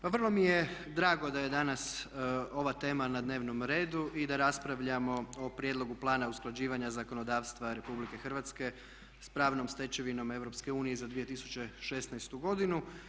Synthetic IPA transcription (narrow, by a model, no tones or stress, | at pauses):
paʋər̩lˠo̞mijed̪ɾaːɡo̞d̪aje̞d̪anaso̞ʋat̪e̞ːmanad̪ne̞ːʋno̞mɾe̞ːd̪uʔid̪aɾaspɾaʋʎamo̞opɾjed̪lˠo̞ɡuplˠaːnausklˠad͡ʑiːʋaɲazako̞no̞d̪aːʋst̪ʋaɾe̞publike̞xr̩ʋat̪ske̞ | spɾaːʋno̞mst̪e̞t͡ɕe̞ʋino̞me̞vɾo̞pske̞uːnijezad̪ʋije̞t̪isu̥t͡ɕe̞ʃe̞snajst̪uɡo̞d̪inu